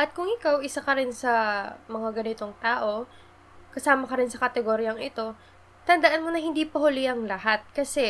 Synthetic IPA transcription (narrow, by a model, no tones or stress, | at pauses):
ʔɐt̪̚kʊŋʔɪkawʔɪsakɐɾɪnsɐmɐŋaɡɐnɪt̪o̞ŋt̪aːʔo̞ | kɐsaːmɐkɐɾɪnsɐkɐt̪ɛɡoːɾjɐŋɪt̪o̞ | t̪ɐnd̪ɐʔanmonɐhɪnd̪iːpɐhʊlɪʔɐŋlɐhat̪̚kɐsɛ